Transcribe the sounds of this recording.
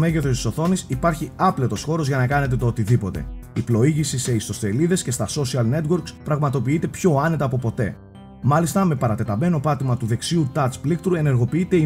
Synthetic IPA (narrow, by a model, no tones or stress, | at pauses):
me̞ʝeθost̪i̥so̞θo̞nisipɐɾçiɐplet̪o̞sxo̞ɾo̞zʝɐnɐkɐne̞t̪e̞t̪oot̪iðipo̞t̪e̞̰iplo̞iʝisise̞ist̪o̞st̪e̞liðe̞sce̞st̪ɐso̞siɐlne̞t̪wo̞ɾkspɾɐɣmɐt̪o̞piit̪e̞pço̞ɐne̞t̪ɐːpo̞po̞t̪e̞̰ | mɐlist̪ɐme̞pɐɾɐt̪e̞t̪ɐme̞no̞pɐt̪imɐt̪uðe̞ksiut̪ɐt͡splik̚t̪uɾe̞ne̞ɾɣo̞piit̪e̞i